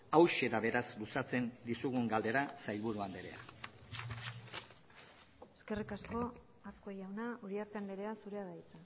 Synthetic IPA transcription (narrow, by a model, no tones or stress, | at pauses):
awʃeɾaβe̞ɾazlusat͡se̞nd̪isuɣuŋɡald̪e̞ɾasajlβuɾuanb̪e̞ɾe̞a̰ | eske̞rikasko̞ | askoejawnauɾiaɾt̪eand̪eɾeasuɾe̞aðajt͡sa